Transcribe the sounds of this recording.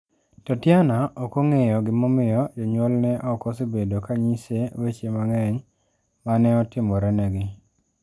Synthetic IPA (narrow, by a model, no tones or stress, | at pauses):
tɔtjanaʔɔkoŋejɔɡɪmɔmɪjɔd͡ʒɔɲwɔlnɛʔɔkɔsibedokaɲisewet͡ʃemaŋɛɲ | manɛɔtɪmɔɾɛnɛɡɪ